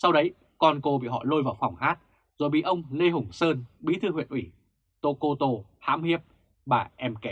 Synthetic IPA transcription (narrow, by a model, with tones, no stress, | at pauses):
sa˧wɗə˨˦j | kɔ˧nko˧ɓḭ˧˨ɦɔ̰˧˨lo˧jvaː˨˩wfa˨˩wŋ͡mhaː˦˥t̚ | zo˨˩jɓḭ˧˨ʔə˧wŋ͡mle˧ɦʊ˨˩ŋ͡msəː˧nɓi˨˦t̪ʰɨ˧hwḭ˧˨ənʔwi˧˩ | t̪o˧ko˧t̪o˧ha̰ː˧˥mhi˦˥əp̚ | ɓaː˨˩ʔɛ˧mkɛ˨˦